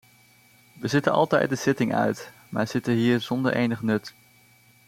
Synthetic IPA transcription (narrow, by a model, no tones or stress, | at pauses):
ʋəzɪtənɑ̰lˠtɛ̰jt̚dəz̥ɪtɪŋʔœ̰ɥt | maːɹz̥ɪtənɦiːɹz̥ɔndəɹʔḛjnəχnɵt